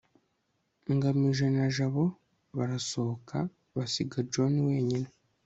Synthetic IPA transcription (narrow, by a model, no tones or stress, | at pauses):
ŋɡamiʒe̞naʒaβo̞ | βaɾaso̞oka | βasiɡad͡ʒo̞niwe̞ːɲine